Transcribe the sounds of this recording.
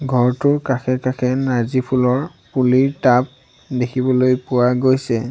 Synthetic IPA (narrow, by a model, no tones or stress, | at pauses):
ɡʱɔɹtʊɹkaxʰɛkaxʰɛnazipʰulɔɹ | puliɹtap̚ | dekʰibɔlojpʊwaɡojsɛ